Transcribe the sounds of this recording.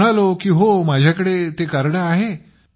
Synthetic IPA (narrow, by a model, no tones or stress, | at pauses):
ɽalokiːɦomad͡ʑʱjakəɽet̪ekaɾɽaaɦe